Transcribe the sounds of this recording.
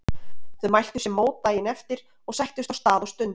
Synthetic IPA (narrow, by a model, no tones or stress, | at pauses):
θœmajl̥t̪ʏ̥ɾ̥sɛmːoːwt̪aːjɪnɛft̪ɪɾ | ɔɣsɛjht̪ʏst̪awst̪aːðɔwst̪ʏnt̪